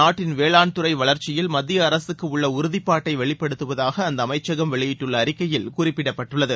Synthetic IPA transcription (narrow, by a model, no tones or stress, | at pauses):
aːʈːɪnʋeːɭaːɳt̪ɯɾɐɪʋɐɭɐɾt͡ʃɪjɪlmɐd̪ɪjɐːɾɐsɯkːɯʊɭːɐʊɾʊðɪpːaːʈːɐɪʋɛɭɪpːɐɽɯt̪ːɯʋɐðaːɣɐːnd̪ɐːmɐɪt͡ʃːɐɣɐmʋɛɭɪjɪʈːɯɭːɐːɾɪkːɐjɪlkʊrɪpːɪɽɐpːɐʈːɯɭːɐðɯ